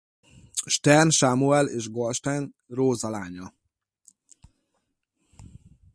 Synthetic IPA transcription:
ʃt̪ɛrnʃaːmuɛleːʒɡolʃt̪ɛn | roːzɒlaːɲɒ

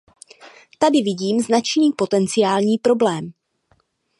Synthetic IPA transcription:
t̪adɪvɪɟiːmznat͡ʃniːpo̞t̪ɛnt͡sɪjaːlɲiːpɾo̞blɛːm

